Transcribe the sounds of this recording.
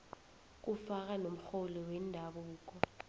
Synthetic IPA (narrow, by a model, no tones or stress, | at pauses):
k̬ufak̬ʼanom̩xolɔwɛndʱaɓuːk̬ɔ